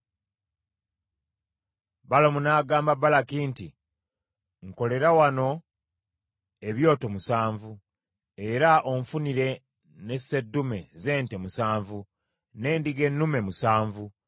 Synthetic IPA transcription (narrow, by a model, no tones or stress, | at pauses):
balomunaːɡaːmbabalakiːnti | ŋko̞le̞ɾawano̞ | e̞βjo̞ːtomusaːɱvu | e̞ɾaʔoɱfuniɾe̞ | ne̞se̞dːume̞ze̞ːntemusaːɱvu | ne̞ːndiɡe̞nːume̞musaːɱvu